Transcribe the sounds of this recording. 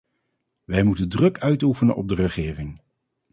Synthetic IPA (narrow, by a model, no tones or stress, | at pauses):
ʋɛjmutəndrɵkʰœɥtufənənɔ̰b̚dərəχɪːrɪŋ